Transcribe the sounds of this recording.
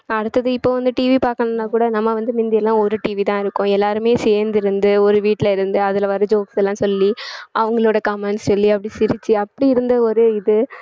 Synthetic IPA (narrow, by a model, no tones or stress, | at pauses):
ɐɽɯt̪ːɐðɯɪpːoːʋɐnd̪ɯʈiːʋipaːɾkɐɳɐnːaːkuːɽɐnɐmːɐʋɐnd̪ɯmɪnd̪ɪjɛlːãːɔɾɯʈiːʋit̪ãːɪɾɯkːʊ̃ɛlːaːɾɯmeːseːɾnd̪ɪɾɯnd̪ɯɔɾɯʋiːʈːɪlɐɪɾɯnd̪ɯɐðɪlʋɐɾɐd͡ʒoːksɛlːãːsɔlːiʔɐʋɐŋɡɐɭoːɽɐkɐmɛɳssɔlːiɐpːɐɽisɪɾɪt͡ʃːɯɐpːɐɽiɪɾɯnd̪ɐɔɾɯɪðɯ